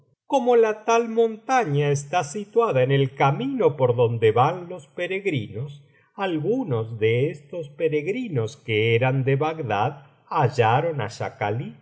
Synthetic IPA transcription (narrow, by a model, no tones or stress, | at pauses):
komo̞lat̪almo̞nt̪aɲaest̪asit̪waðaenelkamĩno̞poɾðo̞nd̪e̞βanlo̞speɾeɣɾino̞s | alɣuno̞zðe̞est̪o̞spe̞ɾeɣɾino̞skeeɾand̪eβaɡd̪að | aʒaɾo̞na̰ʃa̰kali